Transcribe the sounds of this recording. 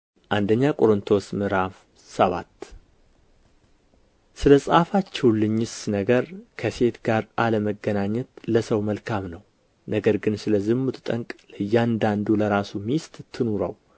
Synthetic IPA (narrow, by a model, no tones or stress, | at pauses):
ʔand̪əɲːakʼoɾɨnt̪ʰo̞smɨɾaf | səβa̰t̪ː | sɨləsʼafat͡ʃːɛwlɨɲːɪsnəɡəɾkʰəse̞t̪ɡaɾʔaləməɡːənaɲːət̪ləsəwməlkʰamnəw | nəɡəɾɡɨnsɨləzɨmːut̪ʰɨt̪ʼəŋkʼləjːand̪and̪uləɾasumist̪ʼt̪ʰːɨnuɾə̰w